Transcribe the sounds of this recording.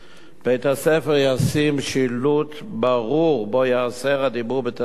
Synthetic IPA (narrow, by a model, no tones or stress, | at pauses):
b̥ejt̪hasefeʁjasimʃilut̪baʁuʁbojaaseʁad̪ibuʁbet̪a